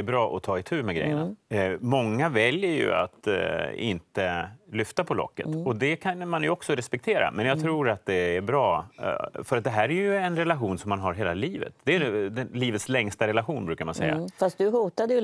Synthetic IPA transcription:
ɾbɾɑːʔɔt̪ʰɑːɪt̪ʰʉ̟ːmɛɡɾɛ̰jəna̰mɔŋːavɛljəɾjɵ̰a̰t̪ɪ̰nt̪əlʏft̪apʰɔlɔ̰kːə̰t̪ɔd̪ɛkʰanmanjɵɔksɔɾɛspɛk̚t̪ʰeːɾa̰mɛnjɑːɡt̪ʰɾuːɾat̪̚d̪ɛːɾbɾɑː | fœɾat̪̚d̪ɛɦæːɾæɾjɵɛnɾɛlaɧuːnsɔmːanɦaɾɦeːlaliːvə̰t̪̚d̪ɛd̪ɛnliːvət̪slɛŋst̪aɾɛlaɧuːnbɾʉ̟kaɾmansɛ̰jːa̰fast̪̚d̪ɵɦuːt̪ad̪əj

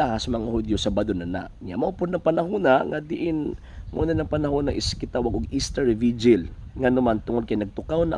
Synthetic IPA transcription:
ahasɐmɐŋahʊd̪josɐbad̪onɐna̰ʔɲa̰maʊpʊd̪nɐŋpɐnaɦʊnaŋad̪ɪʔɪn | mṵnanɐŋpɐnaɦʊnaʔɪskɪt̪awaɡʊɡist̪aɹvid͡ʒɪlŋanʊmant̪ʊŋod̪̚kajnɐɡ̚t̪ʊkawna

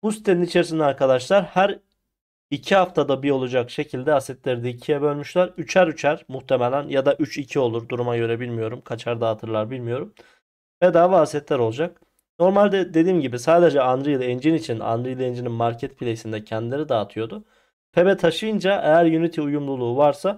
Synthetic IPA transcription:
b̥usi̥t̪ʰːe̞ninit͡ʃʰe̞ɾisinɛaɾkad̪aʃlˠaɾhæɾ | icʰihaft̪ʰad̪abio̞lˠud͡ʒakʃe̞cʰilʲd̪ɛasɛt̪lʲeɾid̪ɛicʰijɛbø̞lʲmyʃlʲæɾyt͡ʃʰæɾyt͡ʃʰæɾmuxt̪ʰe̞melʲænjad̪aʔyt͡ʃicʰio̞lˠuɾd̪uɾumaɟø̞ɾe̞bilʲmijo̞ɾumkʰat͡ʃʰaɾd̪aːt̪ʰɯɾlˠaɾbilʲmijo̞ɾum | vɛd̪aːvaasɛt̪lʲæɾolˠd͡ʒak̚ | no̞ɾmalʲd̪ɛd̪e̞d̪iːmɟibisaːd̪e̞d͡ʒɛanɾɯjlˠɛnd͡ʒinit͡ʃʰina̰nɾɯjlˠend͡ʒininmaɾcʰɛt̪pʰilʲejsind̪ɛcʰɛnd̪ilʲe̞ɾid̪aːt̪ʰɯjo̞d̪ʊ | pʰe̞bɛt̪ʰaʃɯjɯnd͡ʒaʔejæɾjynit̪ʰiujumlˠulˠuːvaɾsa

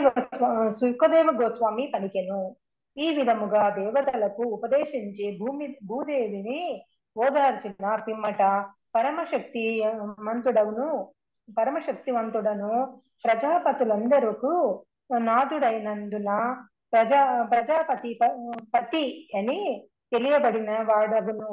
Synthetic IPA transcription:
ɡsukɐd̪ɛːʋɐɡɔːsʋaːmipɐnikenu | iːʋid̪ʱɐmuɡaːd̪ɛːʋɐd̪ɐlɐkuːpɐd̪ɛːʃiɲt͡ʃibʱuːmibʱuːd̪eːʋini | ɔːd̪aːɾt͡ʃinɐpimːɐʈɐ | pɐɾɐmɐʃɐk̚t̪imɐnt̪uɽɐwunu | pɐɾɐmɐʃɐk̚t̪imɐnt̪uɽɐnu | pɾɐd͡ʒaːpɐt̪ulɐnd̪ɐɾuku | naːd̪uɽɐjɐnɐɳɖ̪unɐ | pɾɐd͡ʒapɾɐd͡ʒaːpɐt̪ipɐpɐt̪iɐni | t̪elijɐbɐɽinɐʋaːɽɐʋunu

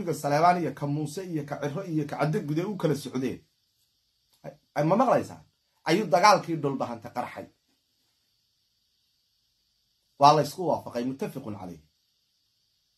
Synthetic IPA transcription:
ɪɣɐsɐlɛːβaːnijɐkʰɐmuːsɛijɔkʰɐʕɪrɔijɔkʰɐʕɑd̪ɐɡ̚ɡuðɛjʊkʰɐlɐsɔʕðɛ̰ːn | mɐmɑqlɐjsa̰ːn | ʔɐjuːd̪ɐɣaːlkʰiːɖɔlbɐɦɐnt̪ʰɛqɑɾħɑ̰j | wɑːlɐɪskʰʊwɑːfɑqɑjmʊt̪ʰːɐfɪqʊnʕɑ̰lɛ̰jh

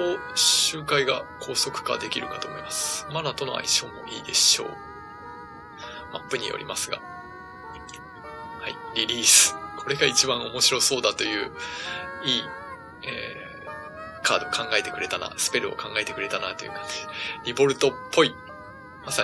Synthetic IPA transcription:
oɕɨːkaiɡakʰo̞ːso̞kɯ̟̥ka̰d̪e̞kʲiɾɯ̟kat̪oːmo̞̰imasɨ̥manat̪o̞no̞̰a̰iɕo̞ːmo̞ʔiːd̪e̞ɕo̞̰ː | ma̰pːɯ̟ɲ̟ḭjo̞̰ɾʲḭmasɨɡa̰ | haiɾʲiɾʲiːsɨ̥kʰo̞ɾe̞ɡait͡ɕibãɰ̃o̞mo̞ɕiɾo̞so̞ːd̪at̪o̞jɯ̟ː | iː | eː | kʰaːd̪o̞kʰãŋɡae̞t̪e̞kɯ̟ɾe̞t̪ana̰sɨ̥pe̞ɾɯ̟o̰kãŋɡae̞t̪e̞kɯ̟ɾe̞t̪anat̪o̞jɯ̰kḁe̥ɾʲibo̞ɾɯ̟t̪o̞pʰːo̞i | masa

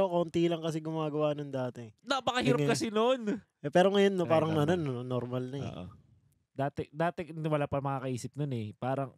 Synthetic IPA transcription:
okont̪ilɐŋkɐs̬ɛɡʊmaːɡɐwanɐŋd̪aːt̪ɛnɐpɐkɐhiːɾɐkɐsɛnon | ɛpɛːɾoŋɐjonːopaːɾɐŋnɐɐnonnoɾmɐlnɐɛ̰ʔʔo̰ | d̪aːt̪ɛd̪aːt̪ɛwɐlaːpɐmɐkakɐʔiːsɪp̚nonɛpaːɾɐŋ

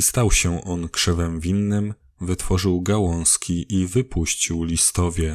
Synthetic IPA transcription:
st̪awɕɛʔɔnkʂɛvɛmvʲinːɘm | vɘt̪fɔʐɘwɡawɔ̃w̃skʲʰiʔivɘpʰuɕt͡ɕiwlʲist̪ɔvʲjɛ

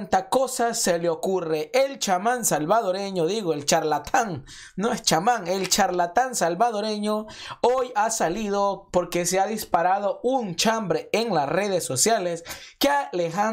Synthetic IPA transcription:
nt̪akosaseleokureʔelt͡ʃamansalβaðoɾeɲoðiɣoelt͡ʃaɾlat̪ʰaŋ | noest͡ʃamaŋelt͡ʃaɾlat̪ansalβaðoɾeɲoojasaliðopoɾkeseaðispaɾað̞ount͡ʃambɾeeŋlasreðesːosjaleskealeɦa

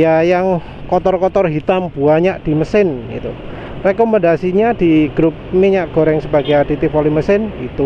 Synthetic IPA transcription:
jajaŋ | kɔt̪ɔrkɔt̪ɔrɦit̪amb̥uaɲaʔd̥iməsɪnɡḭt̪u | rekomandasiɲadiɡɾup̚niɲaʔɡ̥oɾɛŋsəbaɡajadit̪ɪfoliməsɪnit̪u

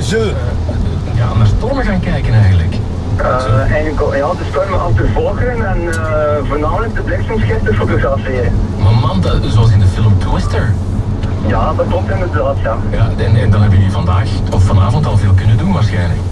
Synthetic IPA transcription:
zø | ja̰ːnarstɔrməɣaːnkɛjkənɛjɣəndələkː | ɛjəkjaːdəstɔrməʔɑftəvɔlˠɣɾənɛn | əvoːrnaːmələk̚dəblɪksəmsxɪftəfotoɣrɑfeːɾənmamɑmzoɑlˠs̬ɪndəfɪlˠmtwɪstəɹ | jaːdɑtklɔp̚tɪndədaːtjaːjaːɛnɛndɑnɦɛbəəvɑndaːx | ɔfːɑnaːvɔntɑlˠveːlˠkɵnəndunʋaːrsxɛjnlə̰k

